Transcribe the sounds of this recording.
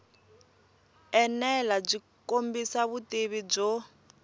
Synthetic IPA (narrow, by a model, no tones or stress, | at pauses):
ɛnɛlab͡ʐi | kombisaβuteβib͡ʐɔ